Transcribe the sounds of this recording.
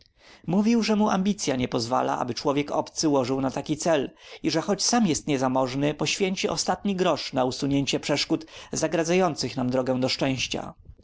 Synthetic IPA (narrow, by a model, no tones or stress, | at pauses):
muvʲiwʐɛmuʔa̰mʲbʲit̪sʲjaɲɛpɔzva̰la̰ʔa̰bɘt͡ʂwɔvʲjɛkɔ̰pt̪sɘwɔʐɘwnat̪akʲit̪sɛliʐɛxɔt͡ɕsamjɛst̪ɲɛzamɔʐnɘpɔɕfʲjeɲt͡ɕiʔɔst̪at̪ɲiɡɾɔʂnausuɲeɲt͡ɕɛpʂɛʂkut̪zaɡɾad̪zajɔnt̪sɘxnamd̪ɾɔɡɛ̃w̃d̪ɔʂt͡ʂɛ̃w̃ɕt͡ɕa̰